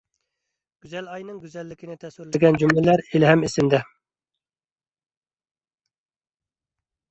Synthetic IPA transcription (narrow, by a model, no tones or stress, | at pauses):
ɡ̥ʲyzɛlɑjnɨŋɡʲyzɛlːɪkʲʰinɪt̪ʰɛsuɾlɪɡʲɛnd͡ʒumlɪlæɾelɦɛmisɪmd̪ɛ